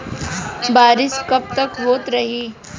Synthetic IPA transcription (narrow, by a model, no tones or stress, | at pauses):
baːɾɪskɐb̚t̪ɐkɦoːt̪ɾɐɦiː